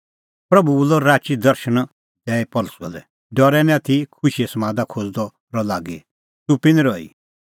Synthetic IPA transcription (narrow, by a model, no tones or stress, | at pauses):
pɾɐbuulɔɾaːt͡ʃid̪ɐɾʃəñ | d̪ɛːɛpɔlsɔ̰lɛ | ɖɔɾɛnɛ̃t̪ʰikʰʊʃiɛsɐmãːd̪akʰod͡zd̪ɔ | ɾɔlaːɡi | t̪upɪ̃nɛɾɔːḭ